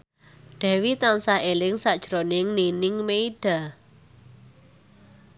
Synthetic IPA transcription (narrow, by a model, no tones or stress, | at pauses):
ɖ̥ɛ̤wit̪ansaɦelɪŋsad̥ʒ̥ɾonɪŋninɪŋmeiɖ̥a̤